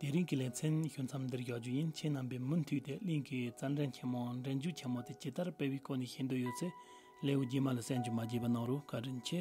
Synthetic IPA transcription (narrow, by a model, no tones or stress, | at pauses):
t̪eɾiŋkilent͡sʰenɕu̥t͡sʰamnd̪eɡɑd͡ʑujənt͡ɕʰenampeːmən̥t̪ʰyːʔt̪eliŋkit͡saɳɖ͡ʐent͡ɕʰemoŋɳɖ͡ʐenɲd͡ʑuʔt͡ɕʰemot̪et͡ɕet̪arpewiːkoneɕʰend̪ojot͡sʰe | leːwud͡ʑimalasenɲd͡ʑuʔmad͡ʑeːpanɑŋrokaɖ͡ʐənt͡ɕʰeʔ